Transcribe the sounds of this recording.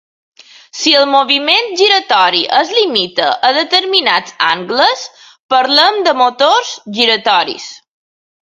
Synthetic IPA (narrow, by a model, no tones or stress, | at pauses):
siəlˠmoβiment̪ʒiɾət̪ɔɾiʔəzlimit̪əʔəðət̪əɾminad͡za̰ŋɡləs | pəɾləmd̪əmot̪oɾzʒiɾət̪ɔɾḭs